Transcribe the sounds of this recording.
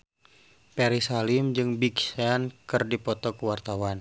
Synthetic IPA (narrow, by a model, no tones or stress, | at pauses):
pɛɾisalimd͡ʒɨŋbiksankɨrdipɔt̪ɔkuwart̪awan